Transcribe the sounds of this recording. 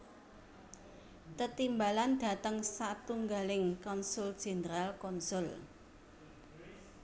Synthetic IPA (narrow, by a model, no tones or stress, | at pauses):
t̪ət̪imbaland̪̥ä̤t̪əŋsat̪uŋɡalɪŋkɔnsʊld̥ʒ̥ɛ̤nəɾalkɔnsʊl